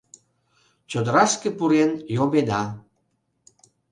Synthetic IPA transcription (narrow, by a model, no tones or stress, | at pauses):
t͡ɕod̪əɾɑʃkĕpuɾenjobed̪ɑ